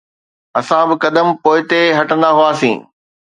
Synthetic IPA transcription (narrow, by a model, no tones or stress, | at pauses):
ɐsãbɪkɐd̪əmpoːɪt̪eɦɐʈə̃nd̪aɦuaːsḭ̃ː